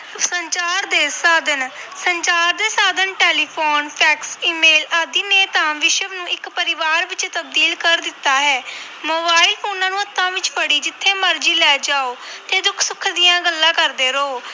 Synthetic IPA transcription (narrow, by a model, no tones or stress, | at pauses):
səɲt͡ʃaːɾd̪eːsaːd̪ənsəɲt͡ʃaːɾd̪eːsaːd̪ənʈeːliːpʰoːnpʰɛːksiːmeːlaːd̪iːneːt̪ãːʋɪʃəʋnũːɪkpəɾɪʋaːɾʋɪt͡ʃt̪əb̚d̪iːlkəɾd̪ɪt̪ːaːɦɛː | moːbaːiɪlpʰoːnãːnũːət̪ːãːʋɪt͡ʃpəɽiːd͡ʒɪt̪ʰːeːməɾd͡ʒiːlɛːd͡ʒaːoːt̪eːd̪ʊkʰsʊkʰd̪ɪjãːɡəlːãːkəɾd̪eːɾoː